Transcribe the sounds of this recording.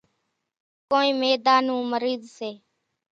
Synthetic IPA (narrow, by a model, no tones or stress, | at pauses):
koːĩːmeːd̪aːnũːməɾiːd̪seː